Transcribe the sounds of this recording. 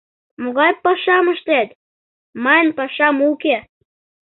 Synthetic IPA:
moɣɑjpːɑʃɑməʃt̪æt̪ | mɑnpɑʃɑmuke

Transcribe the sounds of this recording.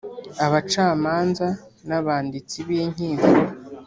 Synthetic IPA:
aβat͡ʃaːmaːnzanaβaːndit͡siβiɲ̥iːŋvu

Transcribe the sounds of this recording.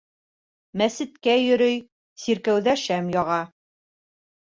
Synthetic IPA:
mæsɘ̆t̪kæjɵ̆ɾɵj | siɾkæwðæʃæmjɒʁɑ

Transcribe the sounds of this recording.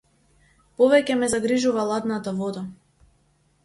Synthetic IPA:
pɔvɛcɛmɛzaɡɾiʒuvalˠad̪nat̪avɔd̪a

